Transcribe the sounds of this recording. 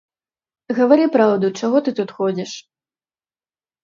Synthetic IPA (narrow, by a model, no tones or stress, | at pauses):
ɣɐvaɾɨpɾawd̪ut͡ʂaɣɔt̪ɨt̪ut̪xɔd͡zʲiʂ